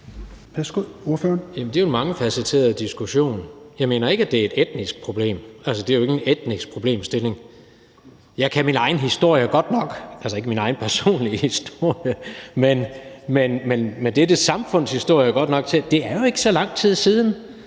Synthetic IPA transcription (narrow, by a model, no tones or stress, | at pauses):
pʰæsɡ̥uoɐføɐnjæmən̩d̥e̝o̝mɑ̈ŋəfæsit͡sʰe̝̰ːɐðˠd̥isɡ̥uɕo̝̰ːnjɑ̈ɪme̝̰ːnɐe̝ɡ̥æd̥e̝æɐe̝d̥ed̥nisɡ̥̚pʰʁob̥le̝̰ːmælsəd̥e̝æjoe̝ɡ̥ened̥nisɡ̥̚pʰʁo̝b̥le̝̰ːmsd̥e̝le̝ŋ | jɑ̈ɪkʰæminɑ̈ɪn̩ɦisd̥o̝ɐ̰jəɡ̥ɒ̽d̥nɒ̽ɡ̥ælsɐe̝ɡ̥əminɑ̈ɪn̩pʰæɐso̝̰ːnlihisd̥o̝ɐ̰jəmenmenmenmend̥ed̥əsɑ̈mfɔ̽n̰shisd̥o̝ɐ̰jəɡ̥ɒ̽d̥nɒ̽ɡ̥̚t͡sʰe̝d̥e̝æɐjo̝e̝ɡ̥ə̥sɒ̽lɑ̈ŋ̰d̥t͡sʰið̞̰ˠsiːð̞ˠn̩